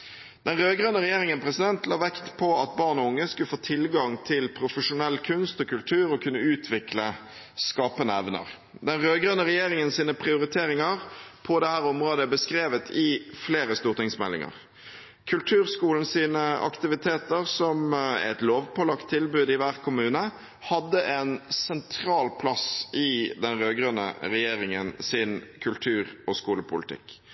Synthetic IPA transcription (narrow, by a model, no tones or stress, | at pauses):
d̪̥ɛnʁøːɡʁœnəʁɛjeːʁɪŋənpʰʁɛsɪd̪ɛnt̪lɑːʋɛkt̪pʰɔɑt̪̚bɑːʁnɔʊŋːəskʉləfoːt̪ʰɪlɡɑŋt̪ʰɪlpʰɾʊfəʂʊnɛlkʰʉnst̪ɔːkʰʉlt̪ʰʉːʁɔkʰʉnːəʉːt̪ʰʋɪklə | skɑːpənəɛʋnə̰ʁ | d̪ɛnʁøːɡʁøːnəʁɛjeːʁɪŋənsiːnəpʰʁɪʊʁɪt̪ʰeːʁɪŋɑʁpʰɔd̪ɛhæːʁɔmʁoːd̪əbəskʁeːʋət̪ʰɪfleːʁəst̪uːʁt̪ɪŋsmɛlːɪ̰ŋɑ̰ʁ | kʰʉlt̪ʰʉːʁskuːln̩siːnəʔɑ̰kt̪ɪʋɪt̪ʰeːt̪əʁsɔmæ̰t̪loːʋpʰɔlɑkt̪ʰːɪlbʉːd̪ɪʋæːʁ̚kʰʊmʉːnə | hɑd̪ːəʔɛnsɛnt̪ʰɾɑːlpʰlɑsɪd̪ɛnʁøːɡʁønə̰ʁɛjeːʁɪŋənsɪnkʰʉlt̪ʰʉːɾɔskuːləpʰʊlɪt̪ʰɪ̰kː